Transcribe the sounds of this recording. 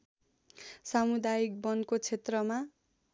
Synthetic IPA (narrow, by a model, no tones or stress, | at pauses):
samud̪ajik̚bʌnkot͡sʰet̪rʌma